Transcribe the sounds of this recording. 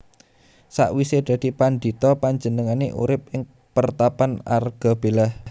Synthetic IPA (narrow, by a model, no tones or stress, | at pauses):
sa̰ʔwised̪̥ä̤d̪̥ipand̪i̤t̪ɔpaɲd͡ʒənəŋaneʔṵɾɪp̚ɪŋ | pərt̪apana̰rɡ̥a̤b̥e̤lah